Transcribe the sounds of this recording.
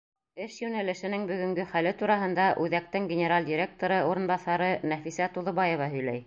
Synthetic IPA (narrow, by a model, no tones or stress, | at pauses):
ɘʃjʉnælɘ̆ʃɘ̆nɘŋbɵ̆ɡɵ̆ŋɡɵχælɘt̪uɾɑɦɤ̆nd̪ɑʔʉðæk̚t̪ɘŋɡʲenʲeɾalʲdʲiɾʲek̚t̪oɾɤoɾɤ̆nbɑθɑɾɤnæfisæt̪uðŏβɑjɤ̆vɑɦɵ̆jlæj